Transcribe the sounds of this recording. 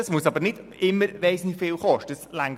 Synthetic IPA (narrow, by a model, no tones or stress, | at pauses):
əsmuəsɑbəɾnɪdɪmːəɾʋeɪsnɪfɪːlχɔʃtəəslæŋ